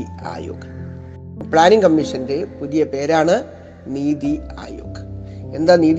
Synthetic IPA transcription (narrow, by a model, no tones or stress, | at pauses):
ia̰ːjo̰ːɣɐ̥ | pɭaːniŋkɐmːiʂɐnde̞puðijɐpe̞ːɾaːɳɨ | niːðia̰ːjo̰ːɣɐ̥e̞nd̪aːniːð